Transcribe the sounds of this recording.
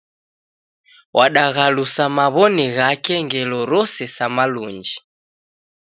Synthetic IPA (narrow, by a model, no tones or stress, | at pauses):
wʔaɗaɣalusamaβɔniɣakɛŋɡɛlɔɾɔsɛsamaluɲd͡ʒi